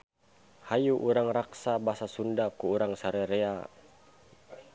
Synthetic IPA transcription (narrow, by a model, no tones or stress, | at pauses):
hajuʔuɾaŋraksabasasundakuːɾaŋsaɾɛɾea